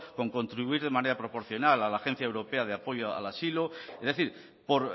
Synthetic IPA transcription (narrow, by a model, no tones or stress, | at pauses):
ko̞ŋko̞nt̪ɾiβuiɾð̞e̞mãne̞ɾapɾo̞po̞ɾθjo̞nalalaːxe̞n̟θjaewɾo̞pe̞aðeapo̞ʝoa̰lasiloezðe̞θiɾ | po̞ɾ